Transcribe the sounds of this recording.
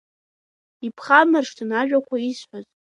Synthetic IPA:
ipʰχamɨrʂtʰɨnaʒᶣʷakʷʰaizħʷaz

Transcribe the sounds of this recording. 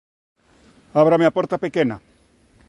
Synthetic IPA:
aβɾameapoɾt̪apekena

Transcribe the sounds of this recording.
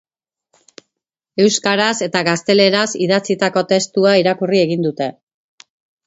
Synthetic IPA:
e̞wskaɾase̞t̪aɣast̪e̞le̞ɾasiðat͡sit̪ako̞t̪e̞st̪uaiɾakurie̞ɣind̪ut̪e̞

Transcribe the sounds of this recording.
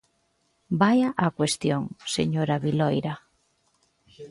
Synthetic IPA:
bajaʔakwest̪joŋsḛɲoɾaβilɔjɾa

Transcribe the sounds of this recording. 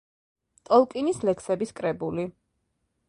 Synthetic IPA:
t̪ʼɔlˠkʼinislɛkʰsɛbiskʼɾɛbuli

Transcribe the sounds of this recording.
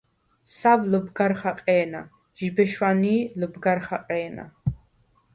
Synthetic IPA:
savləbɡaɾχaqʼɛːna̰ | ʒ̥ibɛʃwaniːləbɡaɾχaqʼɛːna̰

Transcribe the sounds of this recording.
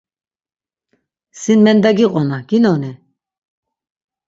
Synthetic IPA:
sinmɛnd̪aɡiqʼɔnaɡinɔni

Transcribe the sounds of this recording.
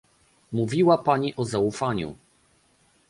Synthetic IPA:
muvʲiwapaɲiʔɔzaufaɲṵ

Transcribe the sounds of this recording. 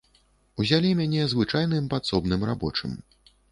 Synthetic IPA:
uzʲalʲimʲanʲɛzvɨt͡ʂajnɨmpat̪sɔbnɨmra̰bɔ̰t͡ʂɨ̰m

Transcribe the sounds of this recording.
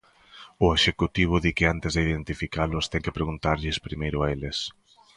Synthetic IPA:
ʊeʃekut̪iβ̞ʊðikɪant̪ɪzðeiðent̪ifikalʊst̪ɛŋkɪpɾeɣunt̪aɾʎɪspɾimejɾʊaelɪs

